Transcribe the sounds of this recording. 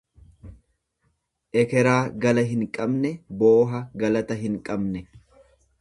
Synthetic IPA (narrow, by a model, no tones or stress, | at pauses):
ʔɛkɛɾaːɡɐlɐɦɪŋkʼɐbnɛboːɦɐɡɐlɐt̪ɐɦɪŋkʼɐbnɛ